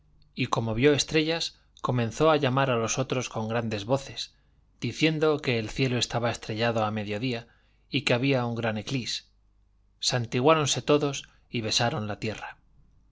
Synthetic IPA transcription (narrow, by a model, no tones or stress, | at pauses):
iko̞mo̞βjo̞e̞st̪ɾe̞ʎas | ko̞mẽ̞nθo̞aʎamaɾalo̞so̞t̪ɾo̞sko̞ŋɡɾand̪e̞zβo̞θe̞s | d̪̥iθje̞nd̪o̞ke̞ːlθje̞lo̞e̞st̪aβae̞st̪ɾe̞ʎaðo̞ame̞ðjo̞ðia | ikeaβiauŋɡɾane̞klisː | ant̪iɣwaɾo̞nse̞t̪o̞ðo̞s | iβe̞saɾo̞nlat̪je̞ra